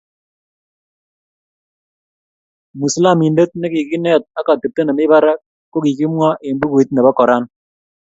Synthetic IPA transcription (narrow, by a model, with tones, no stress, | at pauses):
mu˨sla˦˨mi˨nde˦t̪̚nɛ˦ki˨ki˦nɛ˦t̪̚a˦ka˨te˨p̚te˦na˨mɪ˦βa˦ɾa˦k | kːo˦ki˨ki˦mwa˦ʔe˨mbu˦ku˨i˦t̪̚nɛ˨ba˦kɔ˨ɾa˦n